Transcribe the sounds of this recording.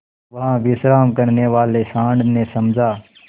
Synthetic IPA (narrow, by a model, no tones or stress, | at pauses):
ʋɐɦãʋɪsɾaːmkəɾneʋaːlesãːɳɖnesɐmd͡ʒʱaː